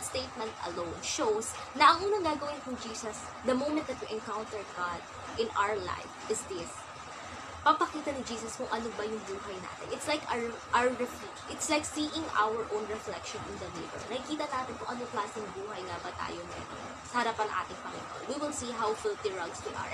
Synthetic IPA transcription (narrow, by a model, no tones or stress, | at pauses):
st̪ejt̪̚mɛ̃nt̪ɐ̰lõwnʃows | nɐʔɐŋʔuːnɐŋɡaːɡɐwɪnkʊŋd͡ʒiːsɐs | d̪ɐmowmɛ̃nt̪̚d̪ɐt̪wɪʔɛnkawnt̪ɛɹɡad̪̚ | ʔɪ̃nʔa̰wə˞la̰jfʔɪsd̪ɪs | pɐɡ̚pɐkiːt̪ɐnɪd͡ʒiːsɐskʊŋʔɐnobɐjʊŋbuːɦɐjna̰ːt̪ɪnɪt̪slajkɹʔaɹɪplit͡ʃʔɪt̪slajksiːʔɪ̃ŋa̰wəɹʔoʊnɹɛflɛkʃɔ̃nʔɪnd̪ɐlḛːbɛ̰lnɐkɪkiːt̪ɐnaːt̪ɪnkʊŋʔɐnoklaːsɪŋbuːɦɐjŋabɐt̪a̰ːjonɐ̰nɐ̰ŋ̰ | sɐhɐɾapɐŋʔa̰ːt̪ɪŋpɐŋɪ̰no̰nwiwɪlsiɦawfɪlt̪iɹɐɡswḭʔɐ̰ɹ